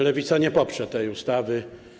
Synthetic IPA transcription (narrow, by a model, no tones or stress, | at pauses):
lɛvʲit̪saɲɛpɔpʂɛt̪ɛjust̪avɘ